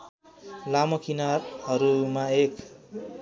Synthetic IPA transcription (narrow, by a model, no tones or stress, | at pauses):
lamʌkinarhʌɾumaek